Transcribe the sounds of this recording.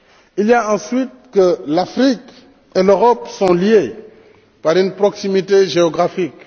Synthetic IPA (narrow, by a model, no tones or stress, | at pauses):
iljaɑ̃sɥit̪̚kəlafɾik | eløʁɔpsɔ̃lie | paʁynpɾɔksimit̪eʒeɔɡʁafik